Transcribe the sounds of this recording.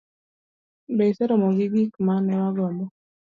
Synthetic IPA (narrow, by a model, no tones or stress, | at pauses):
besɛɾɔmɔɡɪɡikmanɛwaɡɔmɔ